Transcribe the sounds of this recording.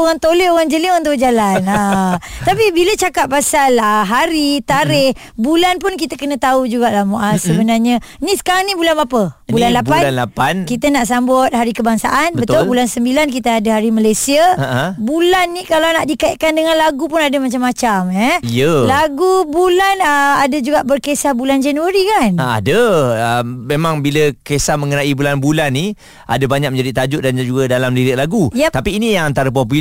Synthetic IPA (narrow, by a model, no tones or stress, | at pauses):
oɣaŋt̪oleoɣaŋd͡ʒəliɣaŋnt̪od͡ʒalanat̪apibilət͡ʃakaʔ̚pasaləɦaɾit̪aɾɪh | bulanpʊnkit̪akənə̃t̪aud͡ʒuɡaʔlahmoʔasəbənarɲanĩsə̥kaɾaŋnĩbulanapəbulanlabpanlapankit̪anaʔsambʊt̪̚haɾikəbaŋsa̰ʔanbəbət̪ʊlbulansəmbilankit̪aadaɦaɾimalajsiabulanːikalawnaʔdikaiʔ̪̚kandəŋanlaɡupʊnadamat͡ʃamːat͡ʃamɛijəlaɡubulanəadad͡ʒuɡaʔbərkesahbuland͡ʒanuaɾikana̰dəəmmemãŋbiləkesahmə̃ŋənaibulanbulanːi | ʔa̰dabaɲak̚mə̃ɲd͡ʒadit̪ad͡ʒʊʔ̪̚dand͡ʒuɡadalamliɾəʔlaɡujat̪apiːnijaŋant̪aɾəp̬ɔp̬u